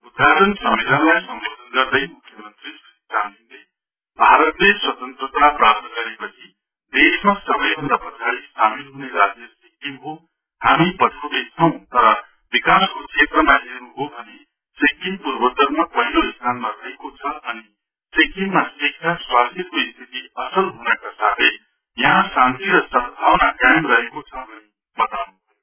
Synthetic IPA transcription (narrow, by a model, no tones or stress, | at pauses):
ud̪ʱaɾʌnsʌmelanlajsʌmbod̪ʱʌnɡʌrd̪ʌjmukʰjʌmʌnt̪risistand̪inle | bʱaɾʌt̪leswʌt̪ʌnt̪rʌt̪aprap̚t̪ʌɡʌɾepʌt͡sʰi | d̪esmasʌbʌjbʱʌnd̪apʌt͡sʰaɽisamilɦuneɾad͡zjʌsekimɦo | hamipʌʈʰawd̪et͡sʰʌw̃t̪ʌɾʌ | bikaskot͡sʰet̪rʌmaɦenuɦobʱʌne | sekimpurbʌt̪ʌɾmapʌɦiloist̪ʰanmaɾʌɦekot͡sʰʌʌni | sekimmːasikʰːjaswast̪ʰjʌkoist̪ʰit̪iʌsʌlɦunʌkasat̪ʰʌj | jʌɦãsãnt̪iɾʌsʌnbʱawnakjamrʌɦekot͡sʰʌbʌni | bʌt̪awnubʰʌjo